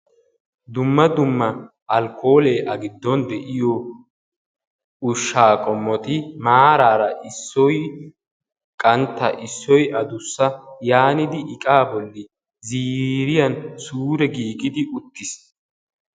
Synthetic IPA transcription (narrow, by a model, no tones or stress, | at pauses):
d̪ʊmːɐd̪ʊmːɐ | ʔɐlkʰːo̞ːleːʔɐɡɪd̪ːɔnd̪ɛʔɪjɔ | ʊʃːaːkʼɔmːɔt̪ɪmaːɾaːɾɐʔɪsːɔj | kʼɐnt̪ːɐʔɪsːɔjʔɐd̪ʊsːɐjaːnɪd̪ɪɪkʼaːbɔlːɪ | ziːɾɪjɐnsuːɾɛɡiːɡʼɪd̪ɪʔʊt̪ːɪs